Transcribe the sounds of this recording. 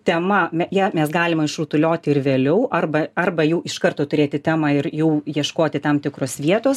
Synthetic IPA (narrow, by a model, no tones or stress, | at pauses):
t̪ʲɛmɐmʲɛjæːmʲɛsɡɑːlʲɪmɐɪʃruːt̪ʊlʲoːt̪ʲɪɪrʋʲeːlʲɛʊʔɐrbɐɐrbɐjuːɪʃkɐrt̪oːt̪ʊɾʲeːt̪ʲɪt̪ʲæːmɑːɪɾjuːjiɛʃkoːt̪ʲɪt̪ɐmt̪ʲɪkɾoːsʋʲiɛt̪oːs